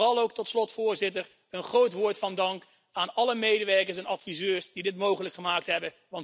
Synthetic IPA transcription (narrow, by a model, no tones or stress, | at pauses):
rɑlˠowk̚tɔtslɔtfʊːɹzɪtəɹ | ənχrowtʋʊːɹtfɑndɑŋk | aːnɑləmejdəʋɛɹkəɹs̬ɛnɑtfizøːɹsd̥idɪtmowχələkχəmaːk̚tɦɛbə | ʋɑnt